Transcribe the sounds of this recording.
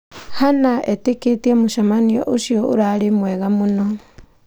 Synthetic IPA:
hanaʔeteketiemuʃamanio̰ʔoʃioʔo̰ɾaɾemweɣamuno

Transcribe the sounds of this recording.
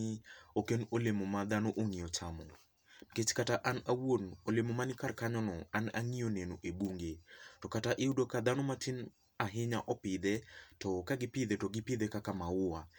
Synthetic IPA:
ɪokenolemomad̪anoʔoŋiɔt͡ʃamɔ | ket͡ʃkataʔanawonolemomanɪkarkaɲɔnɔanaŋijonenoʔebuŋɡetɔkataʔeudokad̪anomatɪn | aɦɪɲa̰ʔɔpɪd̪ɛtɔkaɡɪpɪd̪ɛtɔɡɪpɪd̪ekakamaʊa

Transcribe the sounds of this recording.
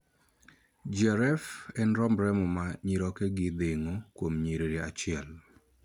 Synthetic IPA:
d͡ʒɛɾɛfɛnɾɔmbɾɛmɔmaɲiɾɔkɛɡɪd̪eŋokwomɲiɾeɾiat͡ʃɪɛl

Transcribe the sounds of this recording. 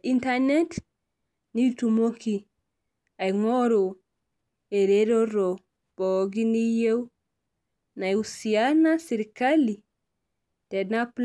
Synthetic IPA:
intanet | nitumoki | ajŋoɾo | eɾeɾoɾo | b̥oɡinijew | najusianasiɾkali | tenapl

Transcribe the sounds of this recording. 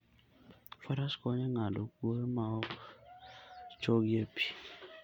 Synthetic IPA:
faɾaskɔɲɛŋadokoɾmaɔ | t͡ʃoɡjepʰi̥

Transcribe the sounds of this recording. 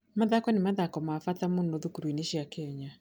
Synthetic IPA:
maðakɔnemaðakɔmafatamondoðukuɾwineʃiakɛɲa

